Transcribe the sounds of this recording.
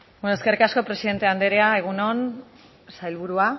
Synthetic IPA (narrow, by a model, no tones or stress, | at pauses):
benoe̞ske̞rikasko̞pɾe̞siðe̞nt̪e̞and̪e̞ɾeae̞ɣ̞uno̞n | sajlβ̞uɾua